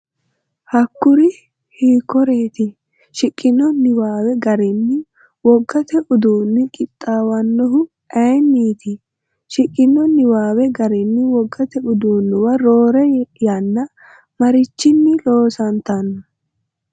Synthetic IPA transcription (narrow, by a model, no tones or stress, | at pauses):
hɐkːʊɾɪ | hiːkːɔɾe̞ːt̪ɪ | ʃɪkʼːɪnːɔnɪwaːwɛɡɐɾɪnːɪ | wɔɡːɐt̪ɛʔʊd̪uːnːɪkʼɪt̪ʼːaːwɐnːɔɦʊ | ɛjnːiːt̪ɪ | ʃɪkʼːɪnːɔnɪwaːwɛɡɐɾɪnːɪwɔɡːɐt̪ɛʊd̪uːnːʊwɐɾoːɾɛjɐnːɐ | mɐɾɪt͡ʃːɪnːɪlo̞ːsɐnt̪ɐnːɐ